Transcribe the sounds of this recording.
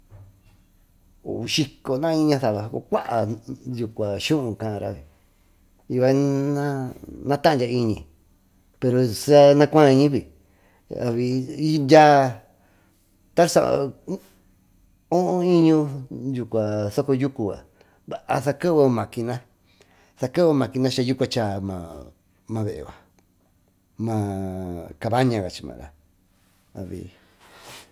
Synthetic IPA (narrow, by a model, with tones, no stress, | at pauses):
ṵ˨˧ʃi˧ko˨nã˦ĩ˦ɲã˧θa˨βa˨˧ko˧kʷa˦ʔa˨ju˨kʷa˨ʃũ˦ʔũ˧˨kã˧ɾa̰˦˧βi˨ | i˧βa˧nã˦nã˦t̪ã˦˧dʲja˧i˧ɲĩ˨ | pe˧ɾo˨sa˦nã˧kʷã˦˧i˧ɲĩ˦βi˨ | a̰˨βi˧i˦ndʲa˦ | t̪a˦sa̰˧˨˧ | õ˦ʔõ˦ĩ˦ɲũ˧ju˧kʷa˨so˦ko˧ju˦ku˧a̰˨ | βa˨ʔa̰˧sa˧ke˦o˧mã˨ki˧nã˦ | sa˧ke˦o˧mã˨ki˧nã˦t͡ʃa˧ju˦kʷa˧t͡ʃa˧˨mã̰˧ | mã˧βe˨ʔḛ˨βa˨ | mã˧ | ka˧βa˦ɲã˧ɣa˨t͡ʃi̥˧mã̰˨ɾa̰˨ | a̰˨βḭ˧